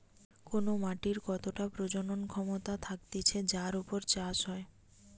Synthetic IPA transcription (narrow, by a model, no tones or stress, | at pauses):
konomaʈiɾkɔt̪oʈapɾod͡ʑononkʰɔmot̪at̪ʰak̚t̪et͡ɕʰed͡ʑaɾupoɾt͡ɕaʃɦɔe